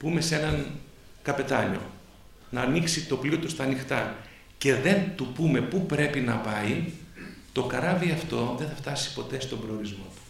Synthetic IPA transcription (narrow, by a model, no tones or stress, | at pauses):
pume̞se̞nɐŋ | kɐpe̞t̪ɐʎo̞̰ | nɐːniksit̪o̞pliot̪ust̪ɐːnixt̪ɐ | ce̞ðe̞nt̪upume̞pupɾe̞pinɐpɐi | t̪o̞kɐɾɐviɐft̪o̞ðe̞nθɐft̪ɐsi̥po̞t̪e̞st̪o̞mbɾe̞oɾizmo̞t̪u̥